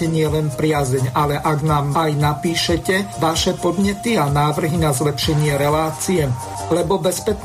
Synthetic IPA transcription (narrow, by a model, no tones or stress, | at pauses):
ɛɲɪɛlɛnpɾɪazɛɲalɛʔaɡnaːmajnapiːʃɛcɛʋaʃɛpɔd̪ɲɛt̪ianaːʋr̩ɦinazlɛpʃɛɲɪɛɾɛlaːt͡sijɛ | lɛbɔbɛspɛt͡ʃ